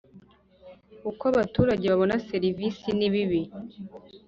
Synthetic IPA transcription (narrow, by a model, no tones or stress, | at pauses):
ukaβatuːɾaɟe̞βaβo̞nase̞ɾivisiniβiβi